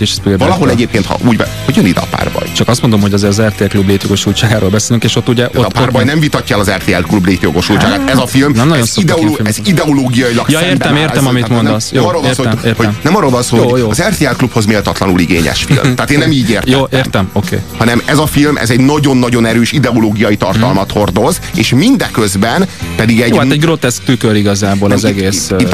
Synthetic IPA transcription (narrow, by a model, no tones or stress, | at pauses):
eʃɛpivɒlɒɦo̞lɛɟeːp̚keːnt̪hɒ̰ʔuːɟbɛhoɟjønid̪ɛ̰ɒ̰pa̰ːrbɒ̰jt͡ʃɒkɒst̪mond̪omhoɟɒzeːɾɒzɛrt̪eɛlklubleːt̪joɡo̞ʃult͡ʃaːɡaːɾolbɛseːlyŋkeːʃot̪ːuɟɛʔ̪aot̪ːparbɔjnɛmvit̪ɒcːɔɛlɒzɛrt̪eːɛ̰lklubleːt̪joɡo̞ʃult͡ʃaːɡaːt̪ɛzɒfilmnɛmnonzsid̪ɛooɛzid̪ɛoloːɡijɒjilɒksed̪ɛmeːrɛmmit̪ːmonndɛsnɛmɔrːoːlvnːsoːt̪uɾhonɛmɒrːoːlvɒnsoːoɒzɛrt̪eːɛlklupho̞zmeːlt̪ɒt̪lɒnuliɡḛːɲɛ̰ʃfḭlmt̪aaːt̪eːnːɛmiːɟeːrtj̪oːtʔeːrt̪ɛmokeːhɒnɛmɛzɒfilmʔɛ̰zɛɟnɒɟo̞nːɒɟo̞nɛɾøːʃid̪ɛoloːɡijɒjit̪ɒrt̪ɒlmɒt̪ho̞rd̪o̞z | ḛːʃmind̪ɛkøzbɛnpɛd̪iɡɛɟaɛɟɡɾot̪ɛsk̚t̪ykøɾiɡɒzaːbolɛmzɛɡeːs